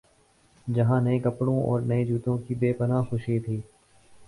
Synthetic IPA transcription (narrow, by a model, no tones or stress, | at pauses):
d͡ʒɐɦãːnəẽːkəpɽõːʔɔ̰ːɾnəẽd͡ʒuːt̪õːkibeːpənaːxʊʃiːt̪ʰiː